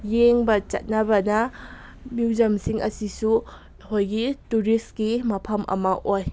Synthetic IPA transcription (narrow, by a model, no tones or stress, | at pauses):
jeŋbɐt͡ʃɐ̰t̚nɐbɐnɐ | miwd͡ʒɐmsiŋʔɐ̰sisu | hojɡituɾist̚ɡimɐpʰɐmʔɐ̰mɐʔoj